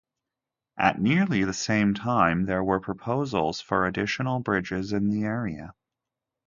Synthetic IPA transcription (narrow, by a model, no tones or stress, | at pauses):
ʔɨ̰ʔⁿnɪɹlˠiðɨsẽɪ̃mtʰãɪ̃mðə˞wə˞pʰɹ̥əpʰoʊzl̩ˠz̥fə˞ɨdɪʃənl̩ˠbɹɪd͡ʒɪzɨ̃nðiɛɹiɨ̰